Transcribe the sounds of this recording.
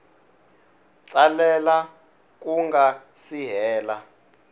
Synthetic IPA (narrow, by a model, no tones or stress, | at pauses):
t͡salɛla | k̬uŋɡasiɦɛːla